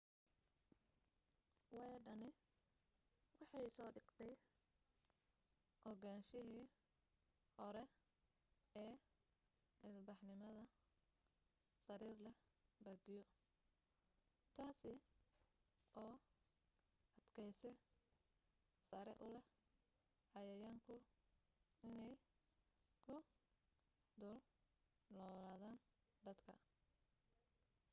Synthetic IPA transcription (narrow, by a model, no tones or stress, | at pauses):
wɑjɖɐnɪ | wɑħɑjsɔːɖɪɡ̥t̪ʰɛj | ʔɔɡaːnʃɪɦiː | hɔɾɛ | ɛː | mɪlbɑħnɪmɐðɐ | sɐɾiːrlɛ | bɐɡɪjɔ | t̪ʰaːsɪ | ʔɔː | ʔɐd̪̥kʰɛjsɛ | sɐɾɛ̰ʔʊlɛh | hɐjɐjaːŋkʰʊ | ɪnɛj | kʰʊ | d̪ɔl | lɔːlaːðaːn | d̪ɐd̪kʰɐ̰